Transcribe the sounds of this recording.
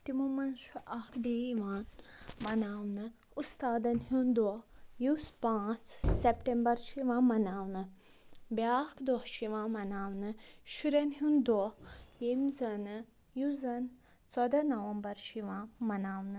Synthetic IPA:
t̪imumɐnʃuʔakʰɖeiʋãːnmɐnaːwnɨ | ust̪aːd̪ɐnɦund̪ɔjuspãːt͡ssepʈembɐɾʃiʋãːmɐnaːwnɨ | bʲjakd̪ɔhʃiʋãːmɐnaːwnɨʃuɾɐnɦũnd̪ɔjemzɐnɨ | juzɐn | t͡sɔd̪ɐnɐʋɐmbɐɾʃiʋãːmɐnaːwnɨ

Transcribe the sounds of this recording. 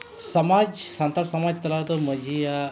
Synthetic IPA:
səmad͡ʑsãnt̪aɾsəmad͡ʑt̪əlat̪oməd͡ʑʱija

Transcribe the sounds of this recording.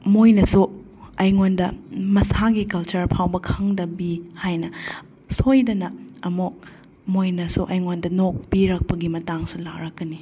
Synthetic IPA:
mojnɐsu | ɐjŋondɐmɐsaɡikɐlt͡ʃɐɾpʰawbɐkʰɐŋdɐbihajnɐ | sojdɐnɐɐmok̚ | mojnɐsuʔɐjŋondɐnok̚piɾɐk̚pɐɡimɐtaŋsulaɾɐk̚ːɐni

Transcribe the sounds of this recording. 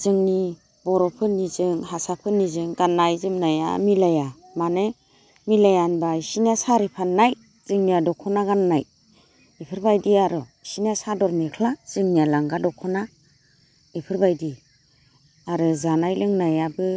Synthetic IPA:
zɯŋni | bɔɾɔpʰɯnizɯŋhasapʰɯnizɯŋɡanːajzɯmnaja̰milaja | mane | milajanbaisiniasaɾipʰanːaj | z̥ɯŋniadɔkʰɔnaɡanːaj | ipʰɯɾbajdiaɾɯsiniasadɔɾmekʰlaz̥ɯŋnijalaŋɡadɔkʰɔna | ipʰɯɾbajdi | aɾɯzanajlɯŋnajabɯ

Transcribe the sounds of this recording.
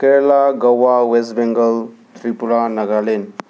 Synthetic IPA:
kelaɡɐwawes̬bẽŋɡəl | t̪ʰɾipulanɐɡalen

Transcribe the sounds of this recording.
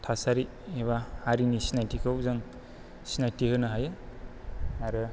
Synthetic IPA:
tʰasaɾi | eβahaɾinisinajtikʰawzaŋ | sinajtihɯnaɦajɯ | aɾɯ

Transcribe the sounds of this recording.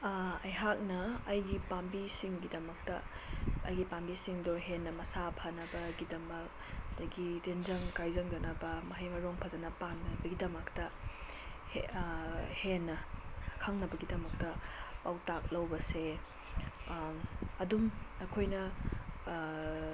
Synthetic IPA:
ɐjɦak̚nɐːjɡipambisiŋɡidɐmɐk̚tɐ̰ɐ̰jɡipambisiŋdoɦenːɐmɐsapʰɐnɐbɐɡidɐmɐk̚ | dɐjɡiɾenzɐŋkajzɐŋɡɐnɐbɐmɐɦajmɐɾoŋpʰɐzɐnɐpanɐbɐɡidɐmɐktɐ | h | henːɐkʰaŋnɐbɐɡidɐmɐk̚tɐpawtak̚lɐwbɐse | ɐdumɐkʰojnɐ

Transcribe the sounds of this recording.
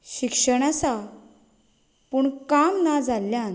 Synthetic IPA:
ɕikʂəɽ̃asa | puɳkamnad͡zʱalːjan

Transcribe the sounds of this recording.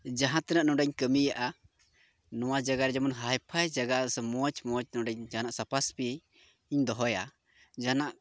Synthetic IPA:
d͡ʒaɦãt̪ɛnaʔnɔ̃ɖaɲkəmijaʔa | nɔwad͡ʒaɡaɾɛd͡ʒɛmunɦajpʰajd͡ʒaɡasɛmɔt͡ʃmɔt͡ʃnɔɖaɲd͡ʒanaʔsapaspi | iɲd̪ɔɦɔja | d͡ʒanaʔ

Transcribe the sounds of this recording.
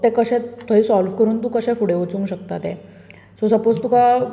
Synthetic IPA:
t̪ɛkəɕɛ̃t̪ʰəisɔlfkəɾuːnt̪uːkəɕɛ̃fuɽeʋut͡sũŋkɕəkt̪at̪ɛ̃ | sosəpod͡zt̪uka

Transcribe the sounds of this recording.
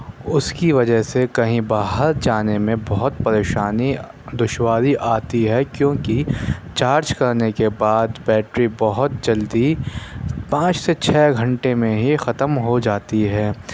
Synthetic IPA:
ʊskiʋɐd͡ʒəɦsekɐɦĩbaːɦəɾd͡ʒaːnemẽbɐɦʊt̪̚pɐɾeːʃaːni | d̪ʊʃwaːɾiʔaːt̪iɦɛkjõːkit͡ʃaːɾd͡ʒkɐɾnekebaːd̪bɛːʈɾibɐɦʊt̪̚d͡ʒɐld̪i | pãːt͡ʃset͡ʃʰɛːɡʱɐ̃ɳʈemẽɦixɐt̪əmɦod͡ʒaːt̪iɦɛː

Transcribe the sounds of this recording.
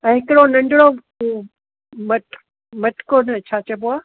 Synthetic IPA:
ɛ̃ɦɪkɽonɐ̃ɳɖɪɽo | mɐʈ | mɐʈkonɐt͡ɕʰaːt͡ɕɐboaː

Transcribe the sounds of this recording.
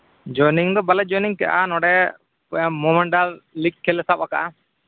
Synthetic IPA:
d͡ʒɔjniŋd̪ɔbalɛd͡ʒɔniŋkɛʔa̰nɔɖɛ | mɔmɛɳɖallikʰːɛlɛsapaka̰ʔa

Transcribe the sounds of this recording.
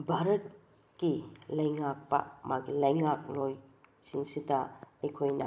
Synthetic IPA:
bʱaɾɐt̚ | kilɐjŋak̚pɐ̰maɡilɐjŋak̚lojsiŋsidɐɐjkʰojnɐ̰

